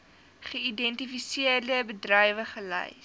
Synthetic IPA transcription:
χəidɛntifisiərdəbədrɐjvəχəlɛ̰j

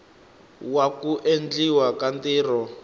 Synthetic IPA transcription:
wakuʔend͡ɮiwakandiːrɔ

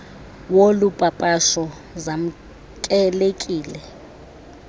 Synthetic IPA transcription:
wolupʼapʼaʃɔ | zam̩ | kʼɛlekʼiːlɛ

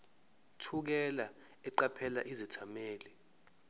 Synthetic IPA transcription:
tʰuk̬ɛla | ɛǃapʰɛla̰ʔizɛtʰamɛːlɛ

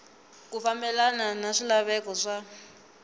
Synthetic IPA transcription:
kufambɛlananaʂilaβɛkɔʂa

